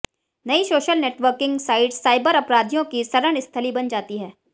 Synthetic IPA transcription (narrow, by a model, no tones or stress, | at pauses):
nɐisoːʃəlneːʈʋəɾkɪ̃ŋɡsaːɪɖsaːɪbəɾɐpɾaːd̪ʱjõkisɐɾəɽ̃ɪst̪ʰəlibɐnd͡ʒaːt̪iɦɛː